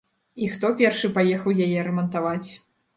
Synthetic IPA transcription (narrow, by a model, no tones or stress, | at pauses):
ixt̪ɔpʲɛrʂɨpajɛxɐwjajɛɾɛmɐnt̪avat͡sʲ